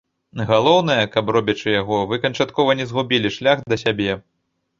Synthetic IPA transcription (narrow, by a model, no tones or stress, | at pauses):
ɣalˠɔwnɐjɐkɐprɔbʲɐt͡ʂɨjaɣɔvɨkɐnt͡ʂat̪kɔvɐnʲɛzɣubʲilʲiʂlʲaɣd̪ɐsʲabʲɛ